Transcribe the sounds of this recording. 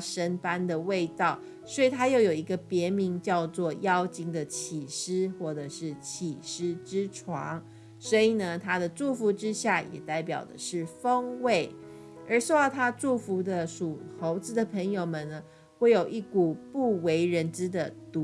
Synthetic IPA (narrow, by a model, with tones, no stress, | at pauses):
ʂə˥npa˥nd̪ə˨we˥˧ɪt̪ɑ˥˩ʊ | swɔ˧˥i˨˩t̪ʰa˥jo˥˩ʊjo˨˩i˧˥ɡə˧pjɛ˧˥mi˧˥ŋt͡ɕjɑ˥˧ʊt͡swɔ˥˩jɑ˥ʊt͡ɕi˥ŋd̪ə˨t͡ɕʰi˨˩ʂɻ̩˥xwɔ˥˩ʈ͡ʂɤ˨˩ʂɻ̩˥˩t͡ɕʰi˨˩ʂɻ̩˥ʈ͡ʂɻ̩˥ʈ͡ʂʰwɑ˧˥ŋ | swɔ˧˥i˨˩nə˦t̪ʰa˥d̪ə˨ʈ͡ʂu˥˩fu˧˥ʈ͡ʂɻ̩˥ɕja˥˩jʔɛ̰˨˩t̪a˥˩ɪpjɑ˨˩ʊd̪ə̰˦ʂɻ̩˥˩fə˥ŋwe˥˩ɪ | ə˞˧˥ʂo˥˧ʊd̪ɑ˥˩ʊt̪ʰa˥ʈ͡ʂu˥˩fu˧˥d̪ə˧ʂu˨˩xo˧˥ʊt͡sɹ̩˧˥d̪ə˨pʰə˧˥ŋjo˨˩ʊmə˨nnə˩ | xwe˥˩ɪjo˨˩ʊʔi˥˩ku˨˩pu˥˩we˧˥ɪɻə˧˥nʈ͡ʂɻ̩˥d̪ə˨t̪u˧˦